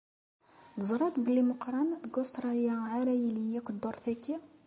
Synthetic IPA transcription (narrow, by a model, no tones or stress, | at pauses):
d̪əzˤɾˤɑt̪bəlːiməqɾˤɑnd̪ɡost̪ɾˤɑljaʕaɾæjilijækʷːəd̪ːoɾˤθækːi